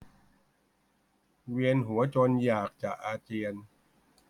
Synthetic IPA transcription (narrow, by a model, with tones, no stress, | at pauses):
wi˧ənɦu˩˦ɐt͡ɕo˧njaː˨˩k̚t͡ɕa˨˩ʔaː˧t͡ɕiː˧ən